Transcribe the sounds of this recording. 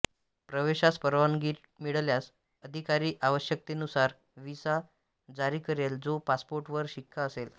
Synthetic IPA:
pɾəʋeɕaspəɾʋanɡiːʈ | miɭljas | əd̪ʱikaɾiːʔaʋəɕjək̚t̪enusaɾ | ʋisa | d͡zaɾiːkəɾeld͡zopaspoɾʈʋəɾɕikʰːaəsel

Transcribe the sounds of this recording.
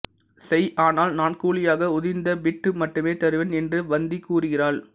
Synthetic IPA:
sɛjʔaːnaːlnaːnkuːlɪjaːɣɐʊðɪnd̪ɐbɪʈːɯmɐʈːɯmeːt̪ɐɾɯʋenɛndrɯʋɐnd̪ikuːrɯɣɪraːɭ

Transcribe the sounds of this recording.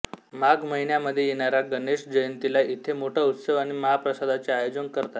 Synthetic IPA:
maɡməɦinjaməd̪ʱːjejeɽ̃aɾjaɡəneɕd͡ʑəjənt̪ilaʔit̪ʰemoʈʰəut̪səʋaɽ̃iməɦapɾəsad̪ʱat͡seajod͡zənkəɾt̪at̪

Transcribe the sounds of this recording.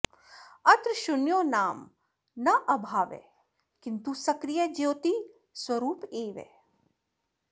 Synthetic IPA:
ɐt̪ɾʃʊnjoːnaːm | nɐʔɐbʱaːʋḛ | kɪnt̪usɐkɾijəd͡ʒeːt̪i | swɐɾuːpeːʋḛː

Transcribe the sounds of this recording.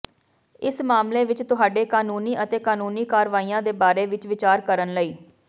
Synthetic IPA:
ɪsmaːmleːʋɪt͡ʃt̪ʊɦaːɖeːkaːnuːniːʔət̪eːkaːnuːniːkaːɾʋaːiːãːd̪eːbaːɾeːʋɪt͡ʃʋɪt͡ʃaːɾkəɾənləiː

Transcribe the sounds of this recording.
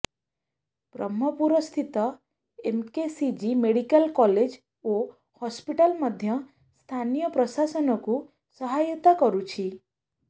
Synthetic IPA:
b̥ɾɔ̰mːɔpuɾɔst̪ʰit̪ɔ | emkesid͡ʒimeɽikəlkɔled͡ʒ | o | hɔspiʈalmɔd̪ʱjɔ | st̪ʰanijɔpɾɔsasɔnɔku | sɔɦajɔt̪akɔɾut͡ʃʰi

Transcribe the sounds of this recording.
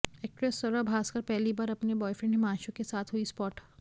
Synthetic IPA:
ɛːk̚ʈɾesːɐɾabʱaːskɐɾpɛɦlibaːɾɐpnebɔːjfɾẽɳɖẽmãːʃõkesaːt̪ʰɦuispɔːʈ

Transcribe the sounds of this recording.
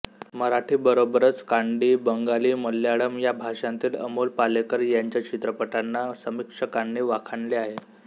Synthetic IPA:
məɾaʈʰiːbəɾobəɾət͡skaɳɖiːbəŋɡaliːməlːjaɽəmjabʱaʂãnt̪iːlə̰mulpalekəɾjaɲt͡ɕjat͡ɕit̪ɾəpəʈanːasəmikʂəkaɳɖiːʋakʰaɳleaɦe

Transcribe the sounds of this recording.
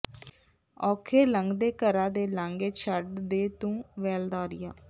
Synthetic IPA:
ɔːkʰeːləŋɡd̪eːkəɾaːd̪eːlaŋɡeːt͡ʃʰəɖd̪eːt̪ũːʋɛːld̪aːɾɪjaː

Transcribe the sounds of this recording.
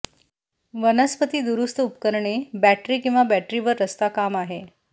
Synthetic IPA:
ʋənəspət̪iːd̪uɾust̪əupkəɾɳebæʈɾiːkĩw̃ʋabæʈɾiːʋəɾːəst̪akamaɦe

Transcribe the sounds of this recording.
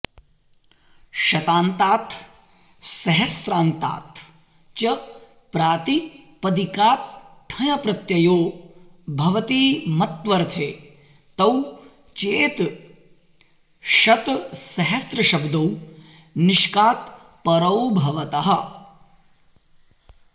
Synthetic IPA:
ʃɐt̪aːnt̪aːt̪ʰ | sɐɦɐsɾaːnt̪a̰ːt̪ʰ | t͡ʃɐ | pɾaːt̪ipɐd̪ikaːt̪̚ʈʰɐjɐpɾɐt̪jɐjoː | bʱɐʋɐt̪iːmɐt̪ʋɐɾt̪ʰeː | t̪ɐw | t͡ʃeːt̪ | ʃɐt̪sɐɦɐsɾɐʃɐbd̪ɐw | niʃkaːt̪ | pɐɾɐwbʱɐʋɐt̪ɐɦɐ̆

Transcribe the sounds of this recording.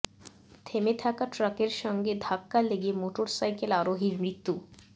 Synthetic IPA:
t̪ʰemet̪ʰakaʈɾakeɾʃɔŋɡed̪ʱakːaleɡiemoʈoɾsajkelaɾoɦiɾmɾit̪ːu

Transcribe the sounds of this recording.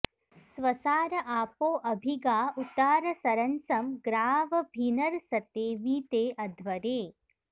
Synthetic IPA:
sʋɐsaːɾɐʔaːpoːʔɐbʱiɡaːut̪ːaːɾɐsɐɾɐnsɐmɡɾaːʋɐbʱinɐɾsɐt̪eːʋiːt̪eːʔɐd̪ʱʋɐɾeː

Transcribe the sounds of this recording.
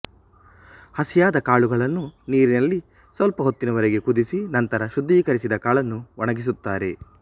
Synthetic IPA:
hɐsijaːd̪ɐkaːɭuɡɐɭɐnːuniːɾinɐlːi | sʋɐlpɐɦot̪ːinɐʋɐɾeɡe̞kud̪isinɐnt̪ɐɾɐʃud̪ʱːiːkɐɾisid̪ɐkaːɭɐnːuʋɔɳɐɡis̬ut̪ːaːɾe̞

